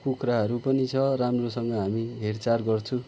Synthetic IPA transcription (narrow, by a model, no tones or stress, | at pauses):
kukraɦʌɾupʌnit͡sʰʌramrosʌŋɡʌɦamibʱert͡sarɡʌrt͡sʰũ